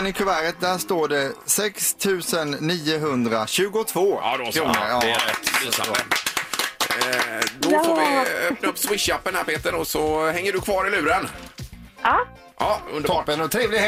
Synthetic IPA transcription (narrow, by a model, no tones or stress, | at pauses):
nɪkʰʊvæɾət̪̚d̪æʂt̪oːɖɛsɛkst̪ʰʉ̟ːsənːiːʊɦɵnd̪ɾaɕʉ̟ːɡʊt̪ʰvo̰ːd̪ʰɾuːnə̰ɾɑːɛt̪ː | d̪ɔfovɪøːp̚naɵpːswɪʂapːənhæɾpʰeːt̪ənɔsɔhɛŋːəɖɵkʰvɑːɾɪlʉ̟ːɾən | ɑɵ̰nd̪ʰpənɔt̪ʰɾeːvlɪ